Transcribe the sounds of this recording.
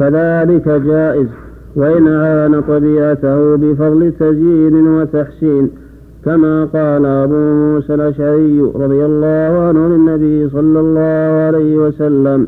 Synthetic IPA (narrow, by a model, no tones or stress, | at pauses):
kaðaːlɪkad͡ʒaːʔɪz | waʔɪnʔaʕaːnat̪ˤɑbiːʕat̪ahʊbɪfɑðˤlɪt̪azjiːnɪwat̪aħsiːn | kamaːqɑːlaʔabuːmuːsalʔaʃʕaɾɪjːɾˤɑðˤɪjalˤːɑːhʊʕanhʊlɪnːabɪjːs̬ˤɑlːɑlˤːɑːhʊʕalajhɪwasalːam